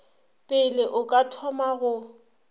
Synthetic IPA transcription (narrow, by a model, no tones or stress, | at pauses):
pʼɪlɪʔʊkʼatʰɔmaɣʊ